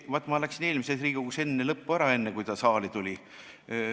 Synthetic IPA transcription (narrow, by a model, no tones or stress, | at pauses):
vot̪ːˑmɑlæksineːlʲmisesriːɡukusenːelɤpːuæɾɑe̞nːekujt̪ɑsɑːlit̪ulʲi